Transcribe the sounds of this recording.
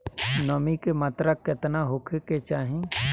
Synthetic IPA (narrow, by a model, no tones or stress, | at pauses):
nomikemat̪ɾəkːɪt̪naɦokʰeket͡ʃaːɦĩ